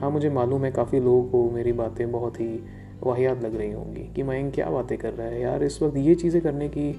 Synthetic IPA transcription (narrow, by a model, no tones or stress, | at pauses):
ɦãːmʊd͡ʒʱemaːluːmɦɛ̃kaːfiloːɡkomeːɾibaːt̪ẽbɐɦʊt̪ɦi | ʋaːɦijaːt̪lɐɡɾɐɦiɦõ̰ːɡḭːkimaːɪ̃ŋkja̰ːbaːt̪ẽkɐɾːɐɦaɦɛjaːɾɪswɐk̚t̪jet͡ʃiːzẽkɐɾneki